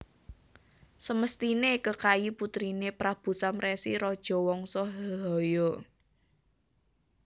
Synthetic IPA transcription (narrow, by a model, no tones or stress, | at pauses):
səməst̪inekəkajiput̪ɾinepɾab̥ṳsamɾɛsḭɾɔd̥ʒ̥ɔ̤wɔŋsɔɦɔɦɔjɔ